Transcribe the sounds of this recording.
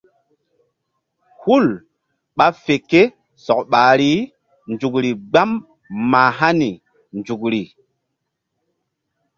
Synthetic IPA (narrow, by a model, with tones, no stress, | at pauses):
hu˦˨l | ɓa˦fe˨ke˦ | sɔ˨kɓa˨ɾi˦ | nd͡ʒu˨kɾi˨ɡ͡ba˦mː | aː˨ɦa˦ni˨ | nd͡ʒu˨kɾi˨